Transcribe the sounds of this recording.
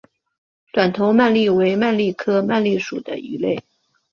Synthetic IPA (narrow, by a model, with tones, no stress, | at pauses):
t̪wa˨˩nt̪ʰo˧˥ʊma˥˧nli˥˩we˧˥ɪma˥˧nli˥˩kʰɤ˥ma˥˧nli˥˩ʂu˨˩d̪ə̰˦i˧˥le˥˩ɪ